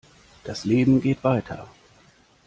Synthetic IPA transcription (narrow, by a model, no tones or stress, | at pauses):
d̥asleːbm̩ɡeːtv̥aɪtʰɐ̰